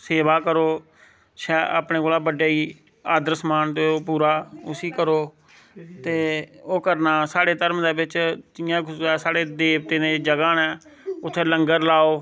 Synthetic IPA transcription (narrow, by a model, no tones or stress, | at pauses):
seːʋaːkəɾoː | ʃɛːʔa̰ːpneːkoːlaːbəɖjaːiː | aːd̪əɾsmaːnt̪eːoːpuːɾaːʊsiːkəɾoː | t̪eːoːkəɾnaːsaːɽeːt̪əɾmd̪eːbɪt͡ʃt̪ɪjãːkɛːsaːɽeːd̪eːbt̪eːnẽːd͡ʒəɡaːnɛː | ʊt̪ʰːeːləŋɡəɾlaːoː